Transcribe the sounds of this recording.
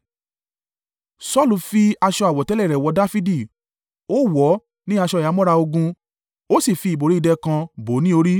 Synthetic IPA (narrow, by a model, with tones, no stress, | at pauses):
sɔ˦˨lu˨˧fi˧a˧ʃɔ˧a˨wɔ˨tɛ˨˦lɛ˦˨ɾɛ˨wɔ˨˧da˦fi˦di˨ | o˦˨wɔ˨˦ | nĩ˦a˧ʃɔ˧˨ja˨˦mɔ̃˦ɾa˧o˧ɡũ˧ | o˦si˦˨fi˧˨i˨bo˨ɾi˦i˧dɛ˧kã˧bo˨˦nĩ˦o˧ɾi˦